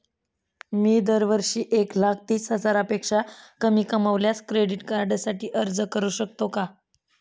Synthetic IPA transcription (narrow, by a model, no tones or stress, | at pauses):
miːd̪əɾʋəɾɕiːʔeklak̚ʰt̪iːsɦəd͡zaɾaəpekʂakəmiːkəməʋljat͡skɾeɖiʈkaɾɖasaʈiːʔəɾd͡zəkəɾuːɕək̚t̪oka